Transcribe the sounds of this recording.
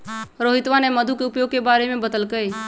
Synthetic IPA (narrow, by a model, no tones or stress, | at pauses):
ɾoːɦɪt̪ʋanɛməd̪ʱukeʊpjoːɡ̚kebaːɾemẽbəd̪əlkəe